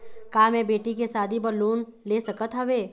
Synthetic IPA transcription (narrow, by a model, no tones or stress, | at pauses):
kaːmẽbeːʈikesaːd̪ʱipɐɾloːnleːsɐkət̪ɦɐʋeː